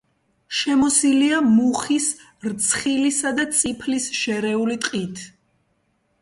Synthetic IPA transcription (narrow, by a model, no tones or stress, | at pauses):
ʃɛmɔsiliamuχis | ɾt̪sʰχilisad̪at̪sʼipʰlisʃɛɾɛulit̪ʼqʼit̪ʰ